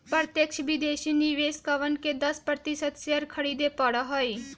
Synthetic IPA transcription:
pɾt̪jəkʃbid̪eːʃiniʋeːskəʋənked̪ɐspɾət̪ɪsəd̪seɾkʰəɽid̪epəɽaɦoiː

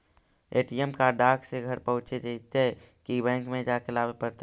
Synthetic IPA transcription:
eʈijemkaɖakseɡʱəɾpəɦũt͡ʃed͡ʒəit̪ekibɛ̃ŋkmẽd͡ʒakelabepəɾt̪

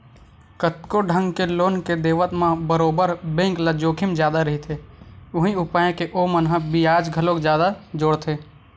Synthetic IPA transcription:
kət̪koɖʱə̃ŋɡkeloːnked̪eːʋət̪mãbəɾoːbəɾbẽːŋklad͡ʒoːkʰimd͡ʒjaːd̪aɾɐɦit̪ʰeʊɦĩʊpaːẽkeʔomənɦə̃bijaːd͡ʒɡʱəlokd͡ʒjaːd̪ad͡ʒoːɽt̪ʰeː

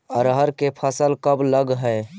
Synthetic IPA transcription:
əɾɦəɾkepʰəsəlkəbləɡɦə

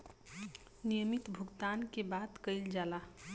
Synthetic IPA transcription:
nijəmit̪bʱʊɡt̪ankebat̪kəɪld͡ʒaːla

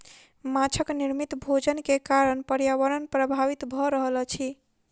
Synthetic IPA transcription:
mat͡ʃʰəkniɾmit̪bʱod͡ʒənkekaɾənpəɾjaʋəɾənpɾəbʱaʋit̪bʱɔɾəɦəlt͡ʃʰi

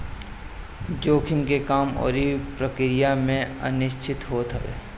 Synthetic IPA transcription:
d͡ʒoːkʰɪmkekaːmɔ̰ːɾipɾəkɾɪjamẽə̰nɪʃt͡ʃʰɪt̪ɦoːt̪ɛ̰

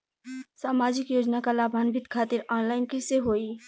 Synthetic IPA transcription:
saːmaːd͡ʒɪkjoːd͡ʒnakalaːbʱaːnbʱɪt̪kʰaːt̪ɪɾaːnlaːɪnkiseɦoːi

